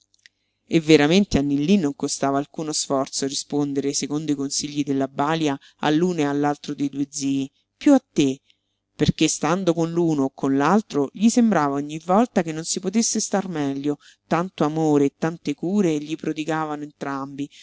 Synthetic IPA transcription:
evːeɾament̪eanːilːinːoŋkost̪aːvaːlkuːnosfɔrt̪soarispond̪eɾesekond̪oikonsiʎːid̪elːabaːlja | a̰lːuːnealːalt̪ɾod̪ejd̪ued̪ziː | pjuat̪ːe | perk̟est̪and̪okonluːnokʰːonlalt̪ɾoʎisembɾaːvaoɲːivːɔlt̪akenːonsipot̪esːest̪armɛʎːo | t̪ant̪oamoːɾeːt̪ːant̪ekuːɾeʎipɾod̪iɡaːvanoent̪ɾambi

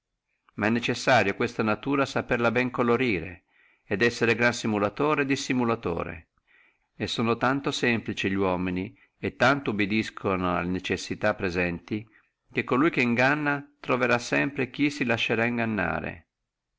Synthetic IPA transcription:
maɛnːet͡ʃesːaːɾjokwest̪anat̪uːɾasaperlabɛŋkoloɾiːɾḛː | d̪ɛsːeɾeɡɾansimulat̪oːɾed̪isimulat̪o̰ːɾḛ | esːoːnot̪ant̪osɛmplit͡ʃiʎwɔːmini | et̪ːant̪oubid̪iskʰonoa̰lːenet͡ʃesːit̪apːɾezɛnt̪i | k̟ekːolujk̟eiŋɡanːat̪ɾoveɾasːɛmpɾek̟isilaʃːeɾaiŋɡanːa̰ːɾḛ

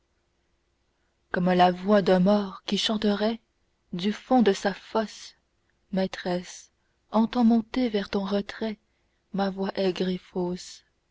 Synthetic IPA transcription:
kɔmlavwad̪ɛ̃mɔːʁkʲiʃɑ̃t̪əʁɛ | d̪yfɔ̃d̪əsafɔs | mɛt̪χɛs | ɑ̃t̪ɑ̃mɔ̃t̪evɛʁt̪ɔ̃ʁət̪χɛ | mavwaʔɛɡʁefos

